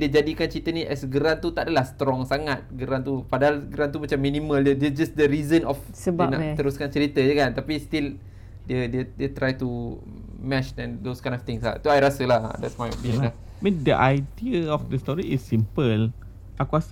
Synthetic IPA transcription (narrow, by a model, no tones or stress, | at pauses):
diəd͡ʒadikant͡ʃəɾit̪ənĩʔɛsɡəɾant̪ut̪aʔadalahst̪ɾɔŋsaŋat̪̚ɡəɾant̪upadaɦalɡəɾant̪̬umat͡ʃamːĩnĩmə̃ldədəd͡ʒasdəɾizənɔf | səbana̰t̪əɾuskant͡ʃəɾit̪əd͡ʒəkant̪apist̪il | diədiədiət̪ɾajt̪u | mɛt͡ʃɛ̃ndoskãj̃ndɔft̪ɪŋsla̰t̪uajɾasəlahdɛtsmajɔ̰pĩnla | mĩndəʔajdiəɔfdəst̪ɔɾiɪsːimpəl | ʔakuas